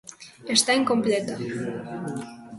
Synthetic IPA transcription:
est̪aiŋkomplet̪a

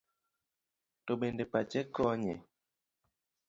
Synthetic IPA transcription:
toɓendepat͡ʃɛkɔɲɛ̰

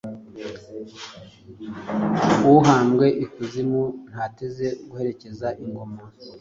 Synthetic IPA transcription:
uɦaːmɡe̞ʔikuzimun̥hateze̞ɡuhe̞ɾe̞ce̞zaʔiŋɡo̞ma

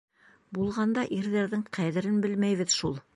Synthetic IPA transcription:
bulˠʁɑnd̪ɑʔiɾðæɾðɘŋqʰæðɘ̆ɾɘnbɘlmæjβɘðʃulˠ

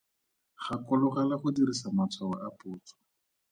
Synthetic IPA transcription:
χakɔlʊχalaχʊdirisamat͡sʰwawaʔapʼʊːt͡sʰɔ̥

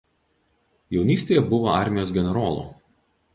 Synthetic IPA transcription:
jɛʊnʲiːsʲt̪ʲeːjɛbʊʋoɑ̰ˑɾʲmʲɪjoːs̬ɡʲɛnʲɛɾoːlˠṵː

